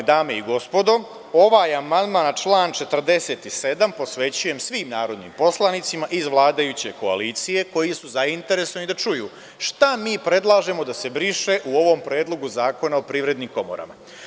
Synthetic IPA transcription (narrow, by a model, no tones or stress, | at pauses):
d̪aːmeiɡo̞spo̞d̪o̞ | o̞ʋaːjamand̪maːnt͡ʃlˠaːnt͡ʃe̞t̪r̩d̪e̞se̞ːt̪ise̞d̪ampo̞sʋe̞t͡ɕuje̞msʋiːmnaːɾo̞d̪nḭmpo̞slˠanit̪simaʔizʋlˠaːd̪ajut͡ɕe̞koa̰liːt̪sije̞ko̞jisuzaint̪e̞ɾe̞sonid̪at͡ʃujṵː | ʃt̪amiːpɾe̞d̪lˠaːʒe̞mo̞d̪ase̞bɾiʃeʔuo̞ʋo̞mpɾe̞ːd̪lo̞ɡuzaːko̞naopɾiːʋɾe̞d̪nimko̞mo̰ɾa̰ma